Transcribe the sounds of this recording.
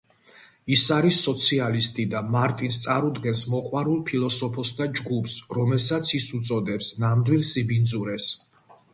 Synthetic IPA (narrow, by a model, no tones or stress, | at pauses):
isaɾisːɔt̪sʰialist̪ʼid̪amaɾt̪ʼinst̪sʼaɾud̪ɡɛnsmɔqʼwaɾulˠpʰilˠɔsɔpʰɔsd̪ad͡ʒɡupsɾɔmɛlˠsat̪sʰisut̪sʼɔd̪ɛpsnamd̪wilˠsibind̪zuɾɛs